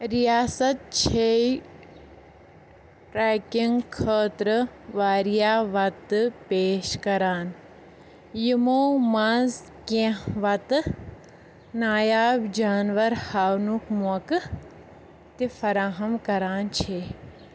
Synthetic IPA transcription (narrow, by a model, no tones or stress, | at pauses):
ɾijaːsɐt̪̚t͡ʃʰe | ɾɛːkiŋɡkʰəːt̪ɾɨʋaːɾijaːʋɐt̪ɨpeːʃkɐɾaːn | jimoːmãz | kẽʋɐt̪ɨ | naːjaːbd͡ʒaːnʋɐɾhaːwnukmuɐk | t̪ifɐɾaːɦɐmkɐɾaːnt͡ʃʰe